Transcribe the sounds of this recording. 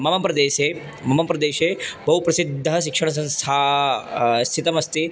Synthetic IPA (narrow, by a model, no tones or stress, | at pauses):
mɐmɐmpɾɐd̪eːʃeː | mɐmɐmpɾɐd̪eːʃeːbɐɦupɾɐsid̪ʱːɐʃikʂɐɳ̃ɐs̬ɐ̃nst̪ʰaː | st̪ʰit̪ɐmɐst̪i